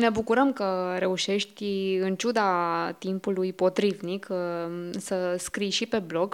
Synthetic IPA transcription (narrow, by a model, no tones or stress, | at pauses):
ne̞bukuɾəmkəɾe̞uʃe̞ʃt̪ʲɨnt͡ʃud̪at̪impulujpo̞t̪ɾivnik | səskɾijʃipe̞blo̞ɡ